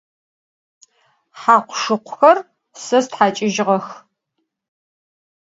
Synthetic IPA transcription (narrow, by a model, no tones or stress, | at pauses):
ħaːqʷʊʂɨqʷʊxɐr | sɐstħaːt͡ʃʼɪʒɪʁɐx